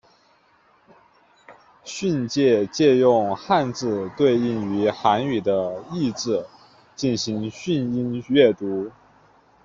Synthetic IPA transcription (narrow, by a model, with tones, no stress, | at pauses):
ɕy˥˧nt͡ɕjɛ˥˧t͡ɕjɛ˥˧jʊ˥˧ŋxa˥˧nt͡sɹ̩˥˧t̪we˥˧ɪi˥˩ŋy˧˥xa˧˥ny˨˩d̪ə˦i˥˩˧ʈ͡ʂɻ̩˥˩ | t͡ɕi˥˩nɕi˧˥ŋɕy˥˧ni˥nɥɛ˥˩t̪u˧˥